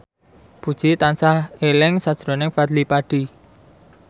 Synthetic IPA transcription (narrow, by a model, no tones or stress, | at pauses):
b̥ud̥ʒ̥it̪ansahelɪŋsad̥ʒ̥ɾo̤nɪŋfad̪lipaɖ̥i̤